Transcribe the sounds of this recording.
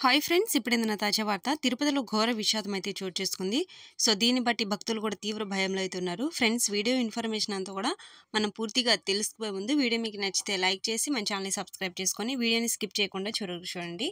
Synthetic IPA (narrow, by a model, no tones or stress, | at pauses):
kaːjpʰɾe̞ɳɖsipːɐɽend̪inɐt̪aːd͡ʒɐʋaːɾt̪ɐt̪iɾupɐt̪ilo̞ːɡʱɔːɾɐʋiʃaːd̪ɐmɐjt̪e̞ːt͡ʃoːɾt͡ʃe̞ːst̪ukund̪iso̞ːd̪iːnibɐʈːibʱɐk̚t̪ulukuːɽaːt̪iːʋɾɐbʱɐjɐmloːɐjt̪eunːaːɾupʰɾe̞ɳɖsʋiːɽijoːinpʰɐɾmeːʃɐnɐnt̪oːkuːɽaːmɐnɐmpuːɾt̪iɡaːt̪e̞lusu̥poːjemund̪uʋiːɽijɐmik̬inɐt͡ʃːi̥t̪e̞ːlɐjk̚t͡ʃe̞ːsimɐnt͡ʃiaːnlisɐbskɾɐjb̚t͡ʃe̞ːsu̥koniʋiːɽijoniskip̚t͡ʃɛːjɐkuɳɖaːt͡ʃuːɾɐɾkut͡ʃuːɽɐɳɖi